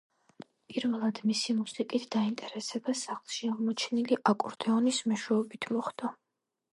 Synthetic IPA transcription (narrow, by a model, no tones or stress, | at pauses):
pʼiɾvɛlˠad̪misimusikʼit̪ʰd̪aint̪ʼɛɾɛsɛbasaχlˠʃiaʁmɔt͡ʃʰɛniliʔakʼuɾd̪ɛɔnismɛʃwɛɔbit̪ʰmɔχd̪a